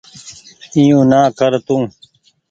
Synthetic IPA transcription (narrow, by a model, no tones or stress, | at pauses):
ijũːnaːkəɾt̪ũː